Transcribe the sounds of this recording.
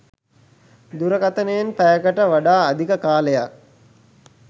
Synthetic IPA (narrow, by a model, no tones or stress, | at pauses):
d̪uɾəkat̪ənəjenpæjəkəʈəʋaɖaːd̪ikəkaːləjak̚